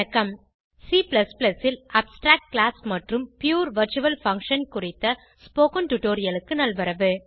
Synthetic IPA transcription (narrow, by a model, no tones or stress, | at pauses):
ɐkːɐm | siːplɐsplɐsɪlʔɐpsʈɾaːk̚ʈ̚klaːsmɐʈrɯmpjuːɾʋɐɾt͡ʃuʋɐlfɐŋkʂɐnkʊrɪt̪ːɐ | spoːkɐnʈʊʈoːɾɪjɐlɯkːɯnɐlʋɐɾɐʋɯ